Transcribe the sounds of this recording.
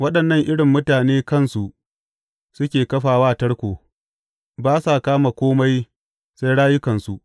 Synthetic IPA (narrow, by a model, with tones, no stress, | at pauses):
wɐ˦ɗɐ˨nːɐ˦ŋʔɪ˦ɽɪ˨mːʊ˦taː˨neː˦kɐ˦˨nsu˨ʔ | sʊ˦kʲeː˨kɐ˦ɸaː˨waː˦tɐ˦ɽkʷoː˨ | baː˦sa˨kaː˦ma˨kʷoː˦ma˦j | sa˦jɽaː˦jʊ˦kɐ˨nsu˦ʔ